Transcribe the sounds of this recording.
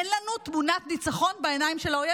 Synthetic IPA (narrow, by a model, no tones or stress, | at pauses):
enlanut̪munat̪nit͡saχo̞nbeenajimʃelaoje